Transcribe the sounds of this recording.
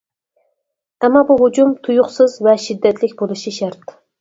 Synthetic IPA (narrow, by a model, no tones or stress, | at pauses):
ɛmːɑbuɦʊd͡ʒumt̪ʰujʊqsɨzvɛʃid̪ːɛt̪lɪkʲbolˠɨʃiʃæɾt̪